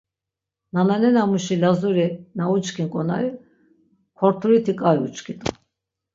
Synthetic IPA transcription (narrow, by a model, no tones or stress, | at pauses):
nananɛnamuʃilazuɾinaut͡ʃkʰinkʼɔna̰ju | kʰɔɾt̪ʰuɾit̪ʰikʼajṵt͡ʃʼkʰit̪ʼu